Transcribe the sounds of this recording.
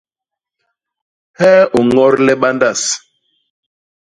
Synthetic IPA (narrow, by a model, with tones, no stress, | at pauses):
hɛ˦o˨ŋɔ˦ɾlɛ˦ɓa˦nda˦˨s